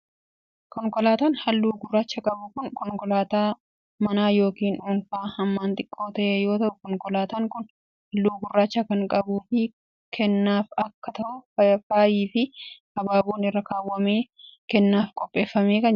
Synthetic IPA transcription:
kɔŋkʼɔlaːt̪aːnhɐlːuːɡʊrːaːt͡ʃːɐkʼɐbʊkʊnkɔŋkʼɔlaːt̪aː | mɐnaːjo̞ːkiːnuːnfaːhɐmːaːnt̪ʼɪkʼːo̞ːt̪ɐʔeːjo̞ːt̪ɐʔʊkɔŋkʼɔlaːt̪aːŋkʊn | hɐlːuːɡʊrːaːt͡ʃːɐkɐŋkʼɐbuːfɪ | kʰɛnːaːfɐkːɐt̪ɐʔʊfɐɐfaːjiːfɪ | ɐbaːbuːnɪrːɐkaːwːɐmeː | kɛnːaːfkʼɔpʼːe̞ːfːɐme̞ːkɐn

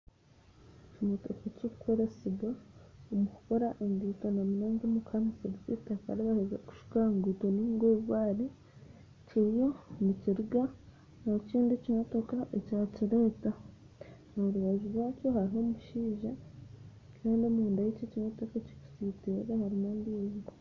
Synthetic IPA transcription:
cimotokacoku̥kʰo̞ɾe̞seɡaomuku̥ko̞ɾaʔeŋɡitonamunaːŋɡomukʰaniseɾizitakaɾeβahezeku̥ʃu̥kaŋɡutoniːŋɡweːβwaːɾi | ciɾjo̞niciɾuɡa | nociːndicimoto̞kaʔecaːciɾeːta | noɾuβaʒuɾwaːco̞haɾiɦo̞muʃiːʒa | kʰaːndomuːndajececimotokaci̥ku̥siteɾehaɾimoːndiːzɡo

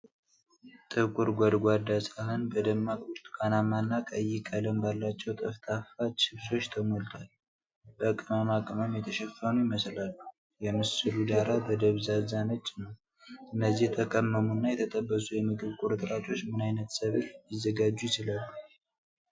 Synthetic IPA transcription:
t̪ʼɨkʼuɾɡʷad̪ɡʷad̪asʼahɨnbəd̪əmːakʼuɾt̪ʼkʼanamanːakʼəjːɪkʼələmbalːat͡ʃːɛwt̪ʼəft̪ʰʼafat͡ʃɪβso̞t͡ʃːt̪ʰəmo̞lt̪ʰal | bəkʼɨmamakʼɨməmjɛt̪ʰəʃɛfːənujɪməslalːu | jɛmɨsɨlud̪aɾabəd̪əβzazanət͡ʃʼːnəw | ɨnːəzːihjɛt̪ʰəkʼəmːəmunːajɛt̪ʰət̪ʼəbːəsujɛmɨɡɨβkʼuɾt̪ʼɾat͡ʃʼo̞t͡ʃːmɨnajnət̪səβɨɾjɪzːəɡad͡ʒːujɪt͡ʃɪlalːu

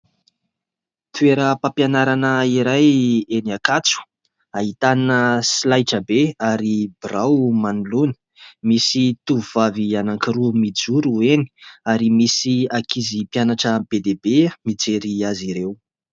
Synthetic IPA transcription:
t̪ueɾəpapjanaɾanəiɾajeniakat͡su̥ | aɦit̪aninəsilajʈ͡ʂəbeaɾib̥rawmanulunə̥ | misit̪uvuv̥avianaŋkiɾumid͡zuɾueni̥aɾimisiakʰizipjanaʈ͡ʂəbed̪ebemid͡zeɾiaziɾew

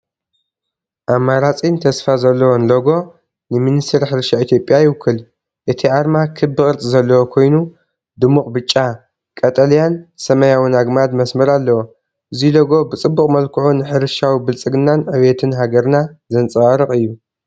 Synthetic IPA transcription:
ʔamːaɾat͡sʼint̪ʰɐsfazɐlːɐwonloɡo̞ | nɨminist̪ʰɨɾħɨɾʃait̪ʰjopʼːjajɪwʊkʰːɨl | ʔɨt̪ʰiʕaɾmakʰɨbːɨkʼɨɾt͡s̪ʼɨzɐlːɐwokʰo̞jnu | d̪ɨmuχʼbɨt͡ʃʼːa | kʼɐt̪ʼɐljansɐmɐjawɨnaɡmad̪mɐsmɐɾalːɐwo | ʔɨziloɡo̞bɨt͡sʼɨbːuχʼmɐlkʰɨʕunɨħɨɾɨʃawibɨlt͡sʼɨɡɨnːanʕɨβet̪ʰɨnɦaɡɐɾnazɐnt͡sʼɨwaɾɨχʼɨjːu

